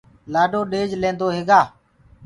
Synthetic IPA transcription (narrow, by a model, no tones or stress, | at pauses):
laːɖoːɗeːd͡ʒlẽːnd̪oːɦeːɡaː